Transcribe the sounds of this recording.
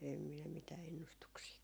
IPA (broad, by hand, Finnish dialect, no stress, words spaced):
em minæ mitæː enːustuksiː